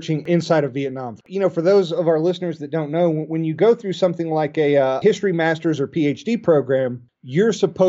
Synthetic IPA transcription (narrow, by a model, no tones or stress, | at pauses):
t͡ʃɪ̃ŋɪ̃nsaɪɾʌvːiɨtⁿnɑ̃mjɨñoʊfə˞ðoʊzʌvaʊə˞lɪsnə˞zðɨt̚d̥õʊ̃nːoʊwɨ̃njɨɡoʊθɹʉsʌ̃mθɪ̃ŋlaɪkɨʌhɪstɹ̥imæstə˞zə˞pʰieɪt͡ʃd̥ipʰɹ̥oʊɡɹæ̃m | jə˞səpʰoʊ